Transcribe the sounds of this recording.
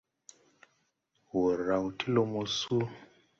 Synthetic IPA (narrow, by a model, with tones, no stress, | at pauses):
wo˨ɾa˨wu˨tʰi˦lo˨mo˨su˦